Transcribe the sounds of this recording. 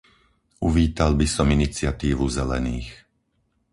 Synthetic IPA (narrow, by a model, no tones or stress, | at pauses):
uʋiːt̪albisɔminit͡sɪat̪iːʋuzɛlɛ̰niːx